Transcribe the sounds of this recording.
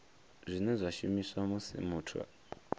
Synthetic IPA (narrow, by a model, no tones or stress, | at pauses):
zʷinezʷaʃimiswamusḭmuːtʰwa̰